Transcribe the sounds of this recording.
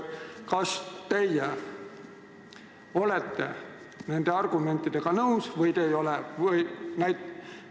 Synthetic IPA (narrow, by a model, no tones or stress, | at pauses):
kɑst̪ejæ | o̞let̪ːḛ | nænd̪̥eɑrɡ̥ume̞nt̪ːˑid̪̥eɡ̥ɑnɤwsʋɤjt̪ejo̞levəjnæjt̪